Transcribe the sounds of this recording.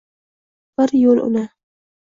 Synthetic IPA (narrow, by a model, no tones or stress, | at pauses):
b̥ɪɾjolʔʊ̰na